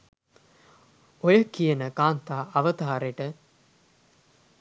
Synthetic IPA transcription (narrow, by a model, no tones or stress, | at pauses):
ojəkijənəɡaːnt̪aːɐʋət̪aːɾeʈə